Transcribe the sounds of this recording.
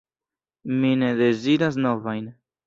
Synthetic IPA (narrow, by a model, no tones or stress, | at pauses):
mine̞de̞ziɾas̬no̞vajn